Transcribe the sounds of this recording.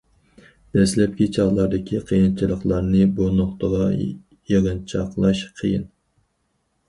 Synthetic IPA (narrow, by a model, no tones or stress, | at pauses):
d̪̥ɛslɛp̚kʲit͡ʃʰɑʁlˠɑɾd̪ɪkʲʰiqʰəjint͡ʃʰilˠəχlˠɑɾnɨbonoχt̪əʁɑ | jeʁɨnt͡ʃʰɑqlˠɑʃqʰəjɪn